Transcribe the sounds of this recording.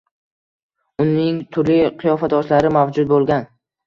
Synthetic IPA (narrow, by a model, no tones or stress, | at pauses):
ʊnːɪŋt̪ʰʊɾliqʰɨjɒfad̪ɒʃlaɾɪmavd͡ʒʊd̪̚bolˠɡʲan